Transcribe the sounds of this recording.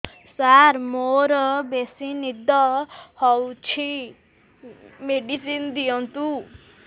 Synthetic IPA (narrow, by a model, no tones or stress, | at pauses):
saɾmoɾɔbesinid̪ʱɔhɔwt͡ʃʰi | meɖisind̪ijɔnt̪u